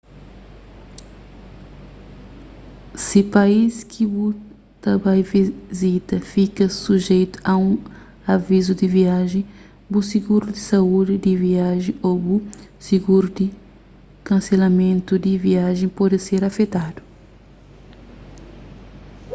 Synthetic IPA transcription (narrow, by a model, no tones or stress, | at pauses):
sipaiskʰibu | t̪ɐbajvizit̪ɐfikɐsuʒejt̪u̥ɐũ | avizud̪iviaʒẽ | busiɡuɾud̪isaud̪ɪd̪iviaʒẽobusiɡuɾud̪i | kɐ̃selɐmẽnt̪ud̪iviaʒẽj̃pɔd̪ɪseɾɐfet̪ad̪u